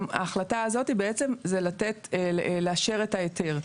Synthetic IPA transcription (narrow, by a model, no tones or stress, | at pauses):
ma̰ːχlataːzo̞tibeet͡se̞mzelatetleaʃe̞ʁe̞tajetʰeʁ